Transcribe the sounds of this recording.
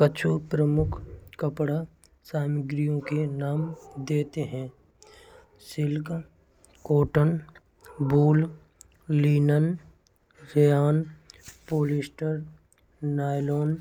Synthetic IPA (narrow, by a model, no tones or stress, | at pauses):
kət͡ʃʰupɾəmʊkʰkəpɽa | saːmɪɡɾijõkenaːmd̪eːt̪eɦɛ̃ː | sɪlɡ | koːʈən | buːl | liːnən | ɾejaːnpoːlɪsʈəɾ | naːloːn